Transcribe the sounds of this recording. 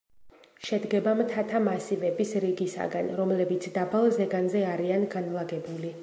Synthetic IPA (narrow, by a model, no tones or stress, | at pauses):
ʃɛd̪ɡɛbamt̪ʰat̪ʰamasivɛbisɾiɡisa̰ɡanɾɔmlɛbit̪sʰd̪abalˠzɛɡanzɛaɾianɡanlˠaɡɛbuli